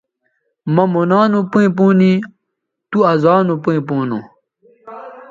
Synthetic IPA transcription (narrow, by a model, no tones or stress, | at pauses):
mɐmunaːnupuĩp̬uːni | t̪uɐzaːnupuĩpuːnṵ